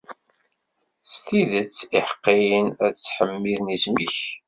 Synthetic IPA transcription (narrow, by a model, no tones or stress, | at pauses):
st̪iðət͡sːiħə̥qːijənæðt͡sːħəmːiðnismiç